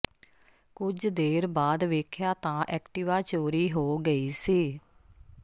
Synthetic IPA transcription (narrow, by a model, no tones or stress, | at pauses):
kʊd͡ʒd̪eːɾbaːd̪ʋeːkʰjaːt̪ãːʔɛːkʈiːʋaːt͡ʃoːɾiːɦoːɡəiːsiː